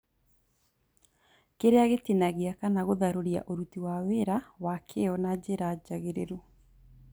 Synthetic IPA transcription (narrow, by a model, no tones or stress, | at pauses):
keɾeaɣetenaɣeakanaɣoðaɾoɾia̰ʔoɾutiwaweɾawakʰeɔnad͡ʑeɾad͡ʒaɣeɾeɾo